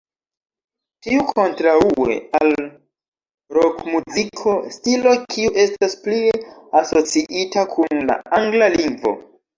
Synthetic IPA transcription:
tiukʰo̞ntɾaue̞̰al | ɾokmuzikʰo̞stilo̞kʰiuʔe̞stasplieaso̞t͡siʔitakʰunla̰ʔaŋɡlaliŋɡvo̞̰

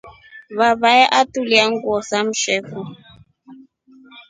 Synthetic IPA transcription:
βaβaɛʔatuliaŋɡɔsam̩ʃɛːfɔ

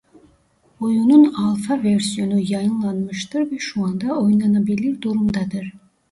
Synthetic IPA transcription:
ojununɑlˠfɑvʲersijonujɑjɯnlˠɑnmɯʃt̪ɯɾbeʃuɑnd̪ɑojunɑnɑbelʲiɾd̪uɾumd̪ɑd̪ɯɾ

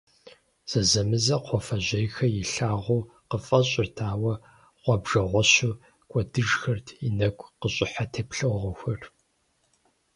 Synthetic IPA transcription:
z̥ɐzɐmɨzɐqʷʰɔfɐʑɐjxɐjɪɬaːʁʷuː | qəfʼɐɕʼɪrtʰaːwɐ | ʁʷɔbʒɐʁʷɔɕu | kʷʼɔdɨʒxɐrtʰinɐɡʷʼqəɕʼɪħatʰeːpɬɨwʁɐxʷɐr

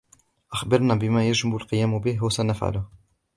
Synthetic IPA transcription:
ʔaxbɑɾˤnabɪmæjaʒmabʊlqɨjæːmbɪhwasænafʕa̰lʊh

